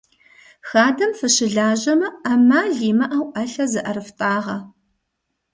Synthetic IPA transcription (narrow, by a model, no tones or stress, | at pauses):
xaːdɐmfɨɕɪɮaːʑɐmɐaːmaːɮiːmɐʔawʔɐɬɐzɨʔɐɾɨftʼaːʁɐ